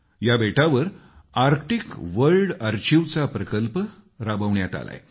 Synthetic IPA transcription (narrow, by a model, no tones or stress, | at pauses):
jabeʈaʋəɾaɾkʈikʋəɾɖəɾt͡ɕiʋt͡sapɾəkəlp | ɾabəʋɳjat̪a̰la̰j